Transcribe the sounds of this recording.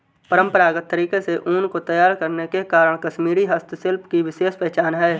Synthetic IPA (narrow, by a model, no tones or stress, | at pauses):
pəɾə̃mpəɾaːɡət̪ːəɾiːkeseʔuːnkot̪ɐjaːɾkɐɾnekekaːɾəɽ̃kɐʃmiːɾiɦɐst̪ʰsɪlpkiʋɪʃeːʃpɛɦt͡ʃaːnɦɛː